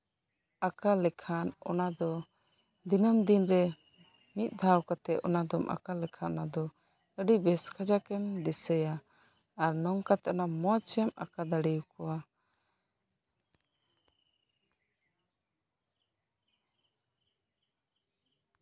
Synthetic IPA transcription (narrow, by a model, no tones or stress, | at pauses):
akalɛkʰanɔ̰nad̪ɔ | d̪inəmd̪inɾɛ | mit̪̚ˀd̪ʱawkat̪ɛʔɔnad̪ɔmʔa̰kalɛkʰaʔnad̪ɔ | əɖibɛskʰad͡ʒakɛmd̪ɛsəjaː | ɾnɔŋkat̪ɛɔnamɔt͡ʃɛma̰kad̪aɽijukɔwa